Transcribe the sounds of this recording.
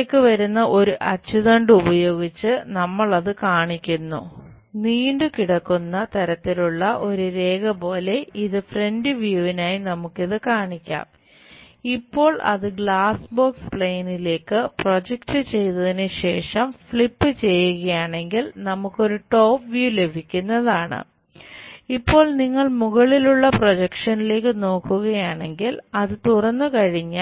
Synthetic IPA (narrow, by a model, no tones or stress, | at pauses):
ekːɨʋɐɾunːɐʔo̞ɾuʔɐt͡ɕːiðɐɳɖubɐjo̞ːɡit͡ɕːɨnɐmːɐɭɐðɨkaːɳikʲːunːṵ | niːɳɖɨkiɽɐkːunːɐt̪ɐɾɐt̪ːiluɭːɐʔo̞ɾuɾe̞ːɡɐpo̞ːle̞iðɨfre̞ndɨʋjuʋinaːjinɐmukːiðɨkaːɳikʲːa̰ːm | ipːo̞ːɭɐ̰ðɨɡɭaːsbo̞ːkspɭejnile̞ːkːɨpro̞d͡ʑek̚ʈɨt͡ɕe̞jnɐðinɨɕe̞ːʂɐmfɭipːɨt͡ɕe̞jːuɣɐjaːɳe̞ŋɡilnɐmukːo̞ɾuʈo̞ːpʋjuːle̞bʱikʲːunːɐðaːɳɨ̰ | ipːo̞ːɭniŋːɐɭmuɣɐɭiluɭːɐpro̞d͡ʑekʂɐnile̞ːkːɨno̞ːkːuɣɐjaːɳe̞ŋɡilɐðɨt̪urɐnːukɐɻiɲːaː